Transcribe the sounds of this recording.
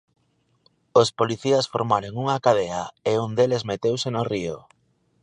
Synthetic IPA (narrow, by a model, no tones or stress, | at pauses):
ospoliθiɐsfo̰ɾmaɾoŋuŋakaðeɐeund̪elezmet̪ewsenorio